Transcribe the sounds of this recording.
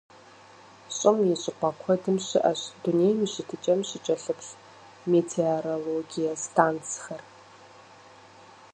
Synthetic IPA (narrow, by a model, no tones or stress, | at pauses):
ɕʼɪmjɪɕʼɪqʷɐkʷʰɔdɨmɕɪʔɐɕdunejmiɕɪtʰɨt͡ʃʼɐmɕɪt͡ʃʼɐɬɨpɬ | meːtʰeoɾoloɡijɐstʰaːnt͡sxɐr